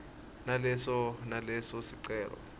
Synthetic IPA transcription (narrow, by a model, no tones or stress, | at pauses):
nalɛsɔnalɛsɔsiǀɛːlɔ̰